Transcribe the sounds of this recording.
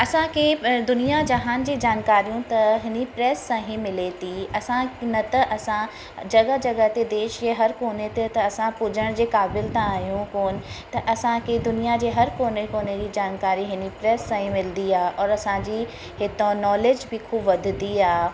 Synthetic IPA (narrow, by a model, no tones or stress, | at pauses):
ɐsãkʰed̪ʊnijad͡ʑɐɦaːnd͡ʑeːd͡ʑaːnkaːɾijũt̪ɐɦɪnipɾɛːsːãːɦĩmɪlet̪iɐsãnɐt̪ɐʔɐsã | d͡ʑɐɡəd͡ʑɐɡət̪ed̪eːʃd͡ʑeːɦɐɾkoːnet̪et̪ɐɐsãpʊd͡ʑəɽ̃d͡ʑeːkaːbɪlt̪ãaːɦjũkoːnɪ̆t̪ɐʔɐsãkʰed̪ʊnijad͡ʑeːɦɐɾkoːnekoːned͡ʑid͡ʑaːnkaːɾiɦɪnipɾɛːsːãːɦĩmɪld̪iaːʔɔːɾɐsãd͡ʑi | ɦɪt̪onɔːleːd͡ʑbʱɪkʰuːbʋɐd̪ʱd̪iaː